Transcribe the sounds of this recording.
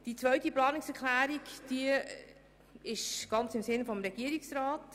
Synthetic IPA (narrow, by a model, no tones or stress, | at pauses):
d̥it͡sʋœɥtiplɑːnɪksɛɾkʰlæːɾikd̥iə | ɪʃɡ̥ɑnt͡sɪmsɪnfɔmɾɛɡ̥iəɾiksɾɑːt